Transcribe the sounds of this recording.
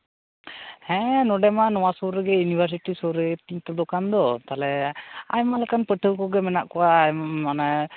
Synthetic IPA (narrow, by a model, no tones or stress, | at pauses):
hɛ̃nɔɖɛmanɔwasɔɾəɡɛjunibʱəɾs̬iʈisɔɾət̪iɲt̪ɛd̪ɔkand̪ɔt̪alɛajmalɛkanpəʈʰəwkɔɡɛmɛnaʔkɔwaːjmamana